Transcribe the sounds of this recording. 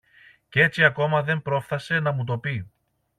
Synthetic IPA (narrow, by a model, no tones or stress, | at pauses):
cee̞t͡siɐko̞mɐðe̞mpɾo̞fθɐse̞nɐmut̪̬o̞pi